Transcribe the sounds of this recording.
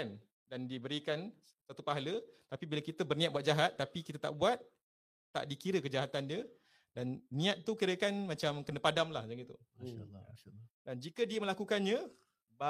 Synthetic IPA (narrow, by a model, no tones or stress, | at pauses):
n | dandibəɾikan | sat̪upaɦalət̪apibilakit̪əbərnĩat̪̚buat̪̚d͡ʒaɦat̪ːapikit̪at̪a̰ʔbuat̪̚ː | a̰ʔdikiɾəkəd͡ʒaɦat̪andiə | danːĩat̪̚t̪ukiɾəkanmãt͡ʃamkənəpadamlahd͡ʒaŋit̪ṵ | a | dand͡ʒikədiəmə̃lakukanɲə̃ | ba